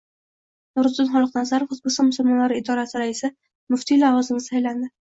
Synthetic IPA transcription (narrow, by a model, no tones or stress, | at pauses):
nʊɾd̪ʊnχɒlˠɨqnazaɾfʊzbʊsɪmʊsʊlmɒnlaɾɪɪd̪ɒɾasɪɾaɪsɪ | mʊft̪ʰilavɒzɪmnɪsajland̪ɪ